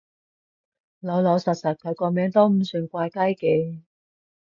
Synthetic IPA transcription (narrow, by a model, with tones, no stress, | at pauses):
lo˨˧wlɔ˨˧wsɐ˨t̚sɐ˨t̚kʰɵ˨˧˥kɔː˧mɛː˨˧˥ŋt̪o˥wm̩˨˧˩sy˨˩ŋkʷaː˧jkɐ˥jkɛ˧